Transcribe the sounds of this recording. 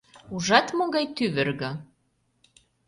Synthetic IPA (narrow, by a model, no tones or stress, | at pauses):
uʒɑt̪moɣɑjt̪yβɘ̆rɣɤ̆